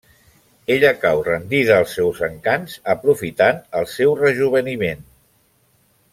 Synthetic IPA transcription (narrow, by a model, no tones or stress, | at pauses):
eʎəkawrənd̪iðəːlˠsːɛwzəŋkanzəpɾufit̪anəlˠsɛwrəʒuβ̞ənimen